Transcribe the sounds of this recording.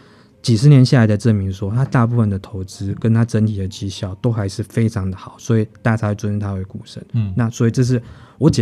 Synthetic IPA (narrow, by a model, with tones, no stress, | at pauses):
t͡ɕi˨˩ʂ̬ɻ̩˧˥njɛ˧˥nɕja˥˩la˧˥ɪd̪ə˧ʈ͡ʂə˥˩mi˧˥ŋʂwɔ˥t̪ʰa˥t̪a˥˧pu˥˧fə˥˩nd̪ə˩t̪ʰo˧˥ʊt͡sɹ̩˥kə˦˥nt̪ʰa˥ʈ͡ʂə˦˥nt̪ʰi˨˩d̪ə˩t͡ɕi˥ɕjɑ˥˩ʊt̪o˥ʊxa˧˥ɪʂɻ̩˥˩fe˥ɪʈ͡ʂʰɑ˧˥ŋd̪ə˨xɑ˨˩˦ʊswɔ˧˥i˨˩t̪a˥˩t͡sʰa˧˥wɪʈ͡ʂwə˥nɻ̩˥˩t̪ʰa˥we˧˥ɪku˨˩ʂə̰˧˥nna˥˨swɔ˧˥i˨˩ʈ͡ʂɤ˥˧ʂ̬ɻ̩˥˩wɔ˨˥t͡ɕɛ˨